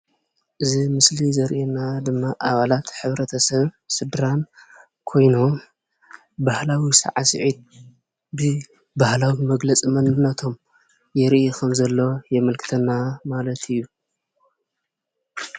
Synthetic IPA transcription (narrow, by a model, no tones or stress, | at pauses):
ʔɨzimɨslizɐɾʔenad̪ɨmːaʔaβalat̪ħɨβɾɐt̪ʰɐsɐβsɨd̪ɾan | kʰo̞jno̞m | bahlawisɐ̰ʕasɨ̰ʕid̪̚ | bɨ | bahlawimɐɡlɐt͡sʼimɐnɨnːɐt̪ʰo̞m | jɛɾʔekʰɐmzɐlːo̞jɛmɐlkʰɨ̥t̪ʰɐnːamalɐt̪ʰɨjːu